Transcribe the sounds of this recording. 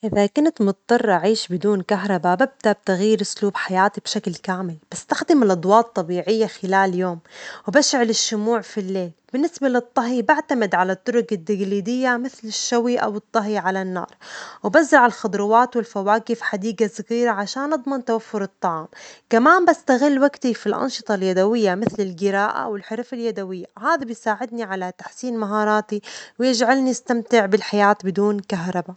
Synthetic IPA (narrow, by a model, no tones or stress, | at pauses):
ʔɪðakʊnt̪mʊt̪t̪ˤːɑrˤːɑʕiːʃbɪd̪uːnkaɦɾˤɑbabab̚d̪ab̚t̪aɣjːɪɾʔʊsluːbħajaːt̪ibʃaklkaːmɪlb̥ɪst̪axd̪ɪmɪlʔɑd̪ˤwɑːt̪ˤːɑbiːʕɪjːaxɪlaːljoːmwbaʃʕɪlɪʃːʊmuːʕfilːeːlbɪnːɪsbalɨt̪ˤːɑɦibaʕt̪amɪd̪ʕalat̪ːʊɾʊkad̪ːaɡliːd̪ɪjːamɪθlɪʃːawiʔa̰wɨt̪ˤːɑɦiʕalanːɑ̰ːɾˤwɪbazɾɑʕɪlxʊd̪ˤɾʊwaːt̪wɪlfawaːkɪfħad̪iːɡasaɣiːɾaʕaʃaːnʔɑd̪ˤmɑnt̪awafːʊɾɨt̪ˤːɑʕɑːmkamaːnbast̪aɣɪlːwaɡt̪ifilʔɑ̰nʃɨ̥t̪ˤɑljad̪awɪjːamɪθlɪlɡɪɾaːʔa̰wɪlħɪɾfaljad̪awɪjːahaːðabɪjsaːʕɪd̪niʕalat̪aħsiːnmaɦɑːɾˤɑːt̪iwjɪd͡ʒʕalniɪst̪amt̪ɪʕbɪlħajaːt̪bɪd̪uːnkaɦɾˤɑba